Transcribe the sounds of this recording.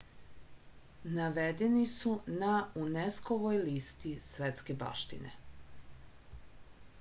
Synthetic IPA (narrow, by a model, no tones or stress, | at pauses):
naʋed̪enisunauneskoʋojlist̪isʋet̪skeba̰ʃt̪ḭnḛ